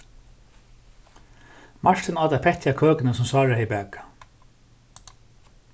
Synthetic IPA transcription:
maʂʈ̪ʰɪnɑːt̪apʰɛht̪jakʰøːkɪnəsʊmsɑːɹahɛbɛːkḁ

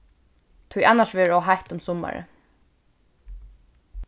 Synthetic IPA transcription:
t̪ʰʊjʔɑnːaʂʋɛːɔɦajht̪ʊmsɔma̰ɹə̰

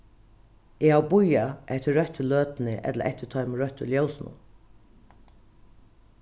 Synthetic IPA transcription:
ehawbʊjaʔɛht̪ɪɾœht̪ɪløːt̪nɪʔɛ̰t̪lə̰ʔɛ̰ht̪ɪt̪ʰœʏmɪɾœht̪ʏljowsnʊ̰n

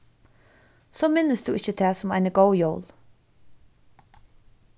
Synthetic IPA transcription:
soːmɪnːəsd̪uːɪçːət̪ʰæːsʊma̰ɪnəɡowjowl

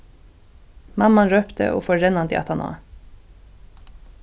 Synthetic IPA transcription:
mɑmɑnɾøːpt̪ə̰ʔo̰ːfɔɾɛnɑnd̪ḭːɑ̰t̪ʰɑnʔɑ̰ː

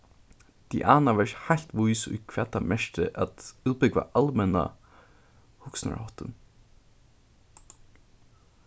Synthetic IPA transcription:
d̪̥iʔɑːnaʋɛɹhalt̪ʋuʏsʊ̰kʰʋɛːt̪amɛʃʈə̰ʔat̪ʉːbʏɡʋa̰ʔɑlmɛna̰ | hʊksna̰ɹhɔt̪ən

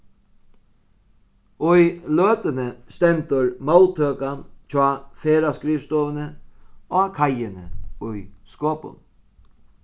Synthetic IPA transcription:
ʊjløːt̪ənəst̪ɛnt̪ʊɹmawlt̪ʰøːkant͡ʃaːfeːɾaskɾiːst̪oːʋənəoːkʰajɪnə̰ʊjskoːpʊ̰n

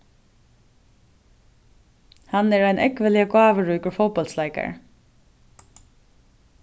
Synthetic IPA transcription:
hanɛɹæɪnʔɛkʋəlɪəɡɑːʋəɹuːkʊɹfɔwpɔlt̪slaɪka̰ɹ

